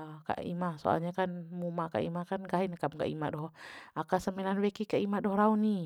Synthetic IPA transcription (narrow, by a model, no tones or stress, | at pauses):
ka̰ʔḭmahso̰a̰lɲakanmumaka̰ʔḭmahkanɡaɦinakamka̰ʔḭmaʔdɔakasəmɛnanwɛkikaʔimaʔdɔhɾauni